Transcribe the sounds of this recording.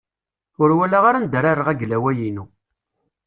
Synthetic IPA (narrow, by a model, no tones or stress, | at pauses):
ʊɾwælaʁaɾand̪əɾaɾəʁæɡlæwæjinu